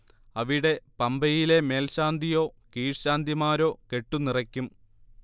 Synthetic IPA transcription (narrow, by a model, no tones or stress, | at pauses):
ɐʋiɽe̞pɐmbɐjile̞me̞ːlɕaːnd̪ʱijo̞ːkiːʂɕaːnd̪imaːɾo̞ːke̞ʈːunirɐkʲːum